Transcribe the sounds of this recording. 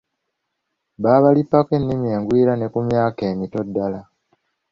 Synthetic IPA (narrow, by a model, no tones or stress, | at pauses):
βaːβalipːake̞nːimje̞ːŋɡwiːɾane̞kumjaːke̞ːmito̞dːala